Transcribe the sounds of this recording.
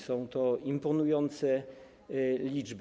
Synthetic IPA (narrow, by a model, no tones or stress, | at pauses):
sɔ̃w̃t̪ɔimpɔnujɔnt̪sɛ | lʲid͡ʐb